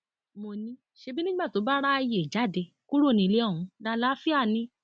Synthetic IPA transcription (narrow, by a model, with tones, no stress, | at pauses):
mo˧˨nĩ˧˦ | ʃe˧bi˦nĩ˦ɡ͡ba˦˨to˨˦ba˦ɾa˦a˧je˨i˨d͡ʒa˨˦˨de˧˨ | ku˦ɾo˦˨nĩ˧le˦ɔ̃˦˨ũ˨˧˦da˧la˦fi˦a˦˨nĩ˧˦